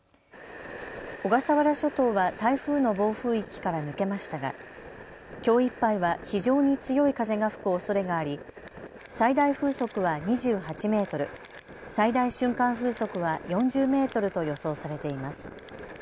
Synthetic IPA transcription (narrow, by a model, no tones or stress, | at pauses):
o̞ɡasaβaɾaɕo̞t̪o̞ːβat̪aiɸɯ̟ːno̞bo̞ːɸɯ̟ːikʲi̥kaɾanɯ̟ke̞maɕi̥t̪aɡa̰ | kʲo̞ːipːaiβaçiʑo̞ːɲ̟it͡sɨjo̞ikaze̞ɡaɸɯ̟̥kɯ̟oso̞ɾe̞ɡaːɾʲi | said̪aiɸɯ̟ːso̞kɯ̟βaɲiʑɨːhat͡ɕime̞ːt̪o̞ɾɯ̟̰ | said̪aiɕɨ̃ŋkãɰ̃ɸɯ̟ːso̞kɯ̟βajõ̞ɲ̟d͡ʑɨːme̞ːt̪o̞ɾɯ̟t̪o̞jo̞so̞ːsaɾe̞t̪e̞imasɨ̥